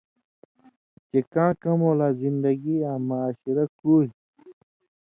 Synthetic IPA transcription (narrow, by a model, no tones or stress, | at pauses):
t͡ɕekãːkɐmoːlaːzind̪ɐɡiãːmaːɕiɾɐkuːj